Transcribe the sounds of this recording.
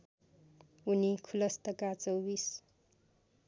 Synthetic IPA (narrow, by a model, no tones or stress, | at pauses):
unikʰulʌst̪ʌkat͡sʌwbis